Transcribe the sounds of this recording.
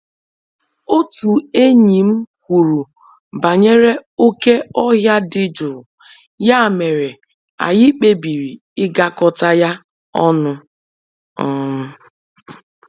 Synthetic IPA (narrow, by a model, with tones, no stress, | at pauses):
o˦tu˨e˦ɲi˨m̩˦kʷu˨ɾu˨ | ba˨ɲe˦ɾe˦o˦ke˦ɔ˦ɦja˦dɪ˦d͡ʒʊ˨ɾʊ˨ | ja˦˨me˨ɾe˨ | a̰˨jɪ˦k͡pe˦bi˨ɾi˨ | ɪ˦ɡa˦kɔ˨ta˦ja˦ | ɔ˦nʊ˦˨˦